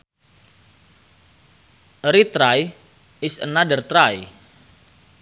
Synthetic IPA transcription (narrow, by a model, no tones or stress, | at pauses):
ɾit̪ɾaj | ɪsənadərt̪ɾaj